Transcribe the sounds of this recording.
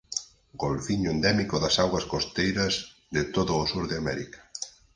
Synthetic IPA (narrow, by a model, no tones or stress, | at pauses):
ɡolfiɲʊend̪ɛmikoðɐsaɣwɐskost̪ejɾɐzðɪt̪oðʊːsuɾðeamɛ̰ɾikɐ̥